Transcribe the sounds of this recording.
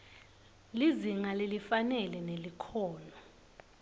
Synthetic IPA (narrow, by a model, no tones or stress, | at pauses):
liziŋalelifanɛlɛnelikʰɔːnɔ